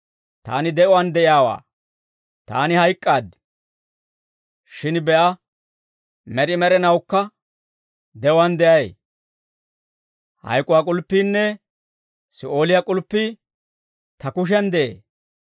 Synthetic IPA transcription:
t̪a̰ːnɪd̪ɛʔɔwɐnd̪ɛʔɪjaːwa̰ː | t̪a̰ːnɪhɐjkʼːaːd̪ | ʃɪnbɛʔɐ | mɛɾɪmɛɾɛnɐwkːɐ | d̪ɛʔɔwand̪ɛʔɐj | hɐ̰jkʼːʊwakʼʊlpːiːnːɛ | sɪʔo̞ːlɪjakʼʊlpːiː | t̪ɐkʊʃ̬ɛnd̪ɛʔḛː

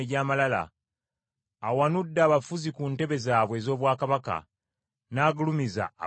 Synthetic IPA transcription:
eɟaːmalala̰ | wanudːaːβafuzikunte̞βe̞zaːβwe̞ːzo̞ːβwaːkaβaka̰ | naːɡulumiza̰ː

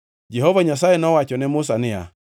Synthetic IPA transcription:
d͡ʒɛɦɔvaɲas̬ajenɔwat͡ʃɔnɛmʊs̬anɪa̰

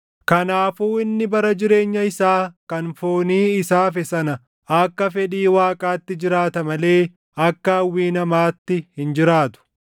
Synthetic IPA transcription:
kɐnaːfuːɪnːɪbɐɾɐd͡ʒɪɾe̞ːɲːɐɪsaːkɐnfoːniːɪsaːfɛsɐnɐ | ɐkːɐfɛᶑiːwaːkʼaːt̪ːɪd͡ʒɪɾaːt̪ɐmɐle̞ː | ɐkːɐɐwːiːnɐmaːt̪ːɪhɪnd͡ʒɪɾaːt̪ʊ̥

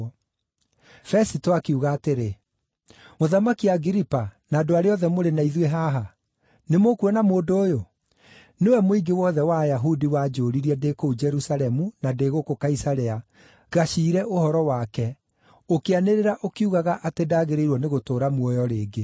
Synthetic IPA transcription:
fɛsitoakeuɣaːteɾe | moðamakiaɡiɾipanaːdoaɾeɔðɛmoɾenaiðweɦaɦa | nemokuɛnamoːdoːjo | newɛmoiɡewɔðɛwajaɦudiwad͡ʒoːɾiɾiɛdekoud͡ʒɛɾusalɛmunadeɣokokaisaɾɛa | ɣaʃiːɾɛʔohɔɾɔwakɛ | okeaneɾeɾaʔokiuɣaɣaʔatedaːɣeɾeiɾwɔneɣotoːɾamwɔjɔɾeːɡe

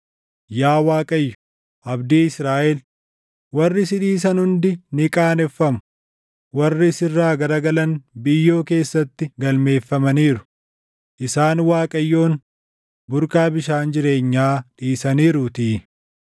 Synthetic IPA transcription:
jaːwaːkʼɐjːʊ̥ | ʔɐbd̪iːɪsɾaːʔɛl | wɐrːɪsɪᶑiːs̬ɐnhʊnd̪ɪnɪkʼaːnɛfːɐmʊ̥ | wɐrːɪsɪrːaːɡɐɾɐɡɐlɐnbɪjːo̞ːke̞ːsːɐt̪ːɪɡɐlme̞ːfːɐmɐniːɾʊ̥ | ʔɪsaːnwaːkʼɐjːo̞ːn | bʊɾkaːbɪʃaːnd͡ʒɪɾe̞ːɲːaːᶑiːsɐniːɾʊt̪iː

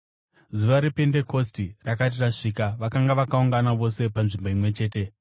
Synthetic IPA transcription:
zuʋaɾipende̞ko̞stirakat̬iraʂiːkaʋakaŋɡaʋakauŋɡanaʋo̞se̞panʐimbo̞imwe̞t͡ʃe̞ːte̞

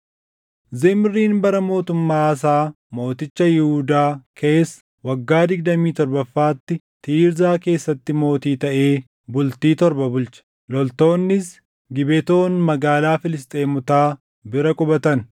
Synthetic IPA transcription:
zɛmɪrːiːnbɐɾɐmo̞ːt̪ʊmːaːɐs̬aː | mo̞ːt̪ɪt͡ʃːɐjɪhuːd̪aːkʰe̞ːs | wɐɡːaːd̪ɪɡd̪ɐmiːt̪ɔɾbɐfːaːt̪ːɪ | t̪iːɾzaːke̞ːsːɐt̪ːɪmo̞ːt̪iːt̪ɐʔe̞ː | bʊlt̪iːt̪ɔɾbɐbʊlt͡ʃɐ̥ | lɔlt̪o̞ːnːɪs | ɡɪbɛt̪o̞ːnmɐɡaːlaːfɪlɪst̪ʼe̞ːmʊt̪aː | bɪɾɐkʼʊbɐt̪ɐn

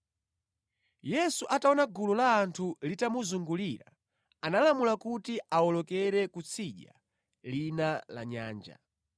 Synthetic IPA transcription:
jɛsuʔataɔnaɡululaːntʰulitamuzuŋɡuliɾa̰ | analamulakutiaɔlɔkɛɾɛkut͡sʰiʄa̰ | linala̰ɲa̰ːnd͡ʒa̰

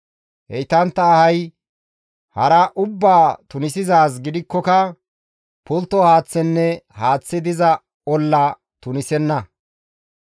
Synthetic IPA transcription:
hɛ̰jt̪ɐnt̪ːɐːhɐj | hɐɾɐʔʊbːaːt̪ʊnɪsɪzaːs̬ɡɪd̪ɪkːɔkɐ | pʊlt̪ːɔhaːt͡sːɛnːɛhaːt͡sːɪd̪ɪzɐ | ɔlːɐ | t̪ʊnɪsɛnːɐ

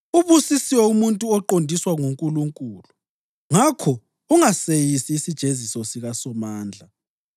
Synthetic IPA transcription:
uβusisiwɛumuntʼuɔǃondʱiswaŋuŋkʼuluŋkʼuːlu | ŋakʰɔ | uŋasejisiːsid̥ʒ̥ʱezisɔsiɣasɔmaːnd͡ɮʱa

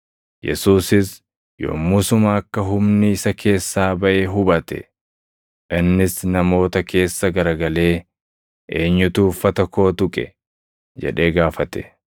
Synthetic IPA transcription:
jɛ̰suːsɪs | jo̰ːmʊsʊmɐːkːɐɦʊmnɪɪsɐkʰe̞ːsːaːbɐʔeːɦʊbɐt̪ɛ̰ | ʔɪnːɪsnɐmo̞ːt̪ɐkʰe̞ːsːɐɡɐɾɐɡɐle̞ː | ʔeːɲːʊt̪uːfɐt̪ɐko̞ːt̪ʊkʼɛ̰ | d͡ʒɛ̰ᶑe̞ːɡaːfɐt̪ɛ̥

